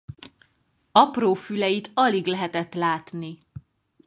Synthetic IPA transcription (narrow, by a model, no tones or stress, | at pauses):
ɒproːfylɛjit̪ɒliɡlɛɦɛt̪ɛt̪laːt̪ni